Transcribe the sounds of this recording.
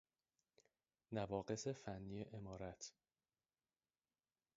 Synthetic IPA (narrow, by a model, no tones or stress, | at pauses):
nævɒːɢe̞se̞fænːijeʔemɒːɾæt̪ʰ